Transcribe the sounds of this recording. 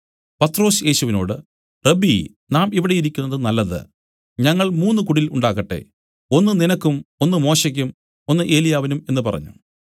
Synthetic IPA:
pɐt̪ːro̞ːsje̞ːɕuʋino̞ːɽɨ | rebi | naːmiʋiɽejiɾikʲːunːɐðɨnɐlːɐðɨ̰ | ɲɐŋːɐɭmuːnːukuɽiluɳɖaːɣɐʈːe̞̰ | o̞nːɨninɐkːumo̞nːɨmo̞ːɕɐk̬ʲːum | o̞nːɨʔe̞ːlijaːʋinume̞nːɨpɐrɐ̰ɲːṵ

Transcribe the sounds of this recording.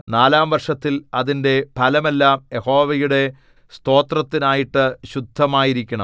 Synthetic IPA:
naːlaːmʋɐrʂɐt̪ːilɐðinde̞pʰɐlɐme̞lːaːmjeho̞ːʋɐjuɽe̞ | st̪o̞ːt̪rɐt̪ːinaːjiʈːɨɕud̪ʱːɐmaːjiɾikʲːɐɳɐ̰m

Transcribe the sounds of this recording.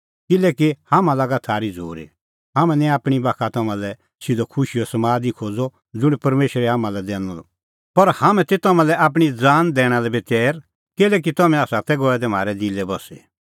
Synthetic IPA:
kɪlɛːkihamãlaːɡat̪ʰaːɾid͡zʱo̰ːɾḛ | ɦamɛ̃nɛ̃aːpɽ̃ibaːkʰat̪ɐmãlɛ | sɪd̪ɔkʰʊʃiɔsɐmaːd̪ikʰoːd͡zɔ | d͡zʊɽ̃ipɐɾmeːʃɾɛɦaːmãlɛd̪ɛːñɔl̰ | pɐɾhamɛ̃t̪et̪ɐmãlɛʔaːp̬ɽ̃id͡zaːnd̪ɛːɽ̃alɛbet̪ɛːɾ | kɪlɛk̬it̪ɐmɛ̃aːsat̪ɛɡɔɛd̪ɛm̤aːɾɛd̪ilɛbɔse

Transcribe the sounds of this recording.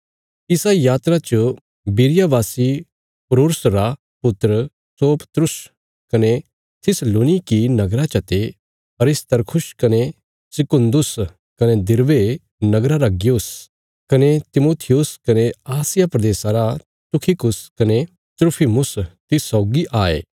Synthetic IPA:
ɪsajaːt̪ɾat͡ʃ | biɾɪjabaːsi | pɾoːɾsɾa | pʊt̪ːɾə | soːpə̥t̪ɾʊs | kɐne | t̪ʰɪsloːnikinɐɡɾat͡ʃɐt̪e | ɐɾɪst̪ɐɾkʰʊskɐne | sɪkʊ̃nd̪ʊs | kɐned̪ɪɾʋe | nɐɡɾaɾɐɡɪjʊs | kɐnet̪ɪmoːt̪ʰɪjʊskɐneaːsɪjapɾɐd̪eːsaɾa | t̪ʊkʰikʊskɐne | t̪ɾʊpʰimʊst̪ɪsɔːɡiʔaːḛː

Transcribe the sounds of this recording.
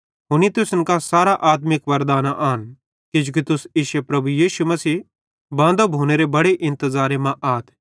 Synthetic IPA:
ɦʊñit̪ʊsʊnkasaːɾaʔaːt̪mɪkʋɐɾd̪aːnaʔaːn | kid͡ʒʊk̬it̪ʊsɪʃepɾɐbujiːʃumɐsiː | bãːnd̪obʱoːñeɾebɐɽeʔɪ̃nt̪əzaːɾemãʔaːt̪ʰ

